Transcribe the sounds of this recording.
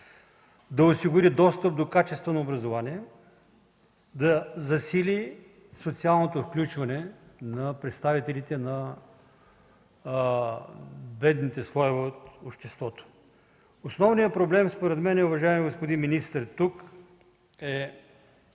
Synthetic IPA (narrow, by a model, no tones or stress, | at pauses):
d̪ɐʊsiɡʊɾid̪ɔst̪əp̚d̪okat͡ʃɛst̪vɐnɐobɾɐzovaniɛ | d̪ɐzɐsili | sot̪sialˠnot̪ofklʲut͡ʃvɐnɛnɐpɾɛt̪st̪avit̪ɛlit̪ɛnɐ | bɛd̪nit̪ɛslˠɔjvɛot̪opʃt̪ɛst̪vɔt̪o̥ | osnɔvnijəpɾoblɛmspoɾɛt̪mɛnɛʊvɐʒaɛmiɡospod̪inminist̪əɾt̪uk | ɛ